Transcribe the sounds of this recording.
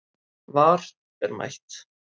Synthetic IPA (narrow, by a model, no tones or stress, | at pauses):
vaːɾ̥ | ɛɾma̰jt̪